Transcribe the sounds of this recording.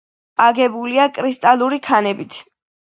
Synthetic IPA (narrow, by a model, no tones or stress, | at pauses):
aɡɛbuliakʼɾist̪ʼalˠuɾikʰanɛbit̪ʰ